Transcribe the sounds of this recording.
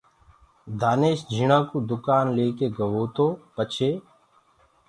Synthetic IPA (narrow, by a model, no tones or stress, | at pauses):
d̪ʱaːneːʃd͡ʒʱiɳãːkuːd̪ʊkaːnleːkeːɡəʋoːt̪oːpət͡ʃʰeː